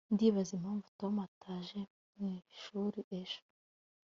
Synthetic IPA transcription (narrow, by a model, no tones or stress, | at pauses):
ndiβazimaɱvu̥tomatʰaʒe | mŋiʃuːɾiʔeʒ̥o̥